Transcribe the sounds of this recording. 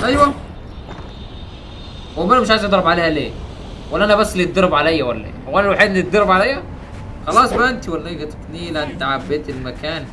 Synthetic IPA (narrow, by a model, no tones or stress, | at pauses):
ʔæjwæ | hwæmænæmɪʃ̬ʕajzʔɑd̪ˤɾˤɑbʕaleːhæleː | wælːʔænæbæsːlid̪ːɑɾˤbʕalæjːæwælːæʔḛːwænælwaħiːd̪net̪̚d̪ɑɾˤːɑbʕalæjːæ | xɑlɑːsˤmæʔɪnt̪iwælːæɡæt̪kniːlæʔɪnt̪aʕabːeːt̪ɪlmækæːn